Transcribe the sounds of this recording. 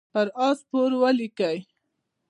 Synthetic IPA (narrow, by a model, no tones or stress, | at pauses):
paɾɑspoɾwəlikaj